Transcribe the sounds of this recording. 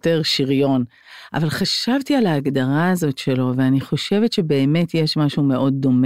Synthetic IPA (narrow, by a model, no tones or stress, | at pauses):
teʁʃiʁjo̞n | ʔa̰valχaʃavtialaːɡdaʁaːzo̞tʃe̞lo̞veaniχo̞ʃe̞vetʃebe̞ːme̞tjeʃmaʃume̞ʔo̞d̚ːo̞me